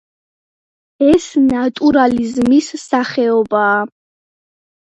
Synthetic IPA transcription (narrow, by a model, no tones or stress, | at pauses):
ɛsnat̪ʼuɾalizmisːaχɛɔbaː